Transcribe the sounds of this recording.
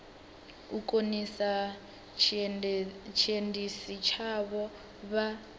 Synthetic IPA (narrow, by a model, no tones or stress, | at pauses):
ukʼonisa | t͡ʃʰiendisit͡ʃʰaβɔ | βa